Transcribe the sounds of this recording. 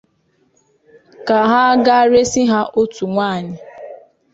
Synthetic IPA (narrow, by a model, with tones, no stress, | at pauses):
ka˨ɦa˦ɡa˦ɾe˦si˦ɦa˦ʔo˦tu˨ŋʷaː˦˨ɲɪ˨